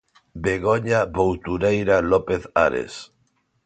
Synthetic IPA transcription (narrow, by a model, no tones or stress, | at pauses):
beɣ̞oɲaβowt̪uɾejɾalopeθa̰ɾḛs